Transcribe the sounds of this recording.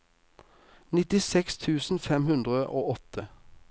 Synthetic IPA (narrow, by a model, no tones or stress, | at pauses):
nɪt̪ɪsɛkst̪ʰʉːsn̩fɛmhʉnd̪ʁəʔoːɔt̪ʰə